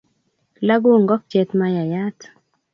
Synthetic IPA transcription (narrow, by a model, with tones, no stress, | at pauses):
la˦ɡo˦˨ŋɡɔ˦k̚t͡ʃjɛ˨t̪ma˦ja˨ja˦t̪